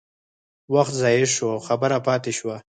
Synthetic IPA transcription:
waxt̪zɑjeʃoxabəɾapɑt̪eʃwa

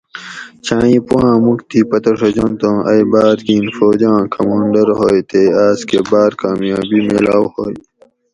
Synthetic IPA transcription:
t͡ɕʰãːĩpuwãːmukt̪iːpɐt̪ɐʂɐd͡ʑont̪õʔɐjbaːɾkĩːnfoːd͡ʑãːkʰɐmaːɳɖɐɾhoːjt̪eːaːskebaːɾkaːmjãːbimelaːwhoːj

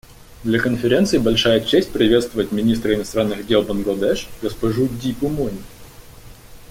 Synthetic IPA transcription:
d̪lʲɐkənfʲɪɾʲe̞nt̪sɨɪbɐlʲʂajət͡ɕesʲt̚ʲpɾʲɪvʲe̞t̪st̪vəvjətʲmʲɪnʲist̪ɾəɪnɐst̪ɾanːɨɣdʲe̞lˠbənɡlˠɐd̪ɛʂɡəspɐʐudʲipʊmonʲɪ

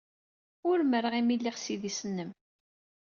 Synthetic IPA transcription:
ʊɾməɾəʁimilːiʁsiðisənːəm

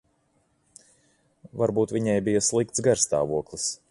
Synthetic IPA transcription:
vaɾbuːt̪vʲiɲajbijaslˠikt̪sɡaɾst̪a̰ːvuɔklˠis

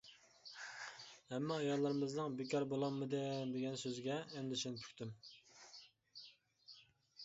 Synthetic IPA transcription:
hɛmːɛɑjɑlːˠɑɾɨmɨznɨŋbɪkʲʰɑɾbolˠɑmːɨd̪ɪd̪eɡʲɛnsøzɡʲɛːmd̪ɪsinpʰy̥kʲt̪ʰym

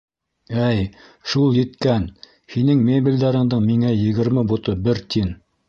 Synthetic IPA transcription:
æjʃulˠjɘ̆t̪kæn | hinɘŋmʲebʲilʲd̪æɾɤ̆ɴd̪ɤɴmiŋæjɘ̆ɡɘ̆ɾmɘbut̪ɤbɘɾt̪in

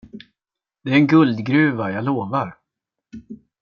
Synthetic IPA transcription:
d̪̥ɛæɾɛnɡɵld̪ɡɾʉ̟ːvajaloːvaɾ

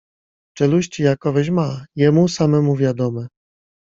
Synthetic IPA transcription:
t͡ʂɛluɕt͡ɕijakɔvɛʑmajɛmusamɛmuvʲjad̪ɔmɛ

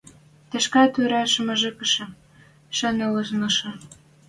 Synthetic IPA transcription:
t̪ĕʃkɑt̪yɾɑʃə̆mə̆ʒĕkə̆ʃɤ̆ | ʃɑnĕlɤ̆ʒnɤ̆ʃɤ̆

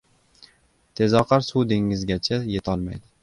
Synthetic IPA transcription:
t̪ʰe̞zɒqʰɑɾsud̪eŋɪzɡʲat͡ʃʰajet̪ʰɒlˠma̰jd̪ɪ

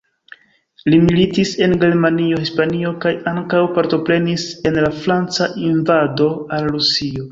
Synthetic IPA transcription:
limilitise̞nɡe̞ɾmanio̞hispanio̞kajaŋkawpaɾto̞pɾe̞nise̞nlafɾant͡saʔinvado̞alɾusio̞

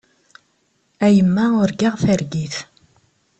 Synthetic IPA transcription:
æjəmːæʊɾɡaʁθəɾɡiθ

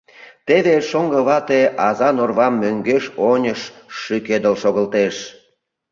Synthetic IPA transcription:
t̪eβeʃoŋɡəβɑt̪eʔɑzɑnorβɑmːøŋɡeʃonʲəʃːyked̪əlʃoɣəlt̪eʃ

